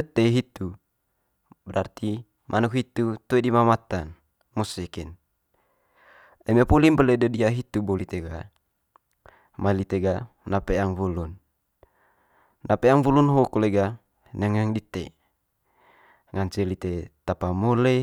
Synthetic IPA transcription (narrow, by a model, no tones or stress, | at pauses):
ət̪eɦit̪u | bəɾart̪i | mʔanukɦit̪ut̪oedimamat̪an | mosekɛn | əmepolimbəledədiaɦit̪ubolit̪eɡa | mailit̪eɡa | napeaŋvulun | apeaŋvulunɦokoleɡa | neŋəŋdit̪e | ŋant͡ʃelit̪et̪apamole